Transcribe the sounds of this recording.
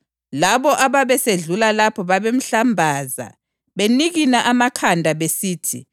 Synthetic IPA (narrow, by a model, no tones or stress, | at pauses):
laβɔʔaβaβɛseɮulalapʰɔβaβem̩ɬambʱaːza̰ | βeniɣinaʔamakʰandʱaβesiːtʰi